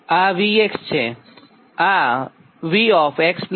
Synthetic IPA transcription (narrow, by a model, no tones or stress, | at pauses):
aʋiekst͡ɕʰe | a | ʋiɔfʰekspl